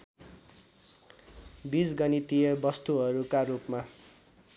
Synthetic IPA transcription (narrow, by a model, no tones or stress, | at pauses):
bisɡʌnit̪ijʌbʌst̪uɦʌɾukaɾupma